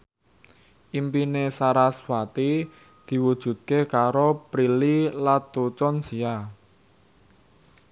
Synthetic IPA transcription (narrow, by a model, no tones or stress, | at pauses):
ʔimpinesaɾaswat̪i | d̪̥i̤wud̥ʒ̥ṳt̪̚kekaɾopɾililat̪ːut͡ʃɔnsia